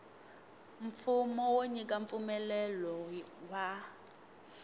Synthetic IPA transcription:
ɱfumɔwoɲikaɱfumɛlɛlɔwa

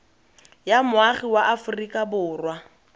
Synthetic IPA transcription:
jamʊaχiwaʔafʊrikʼabʊːrwa

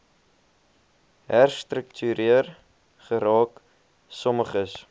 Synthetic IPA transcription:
ɦærstrəktʰyɾiər | χəɾɑːk | sɔməχəs

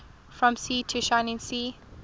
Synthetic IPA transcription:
fɹɔ̃msiːtʰuʃãɪ̃nɪ̃ŋsiː

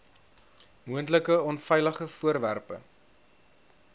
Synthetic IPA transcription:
muəntləkəɔnfɛjləχəfuərværpə̰

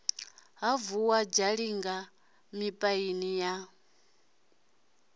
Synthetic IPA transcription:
ɦavuwad͡ʒaɺiŋɡa | mipʼainija

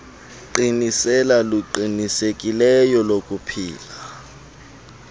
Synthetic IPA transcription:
ǃinisɛlaluǃinisekʼilɛjɔlok̬ʼupʰiːla

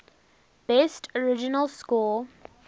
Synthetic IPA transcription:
b̥ɛstʰɔɹɪd͡ʒɪnəlskɔ

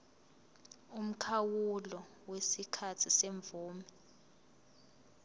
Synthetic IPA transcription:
um̩kʰawulɔ | wesikʰatʰiseɱbvuːmɛ

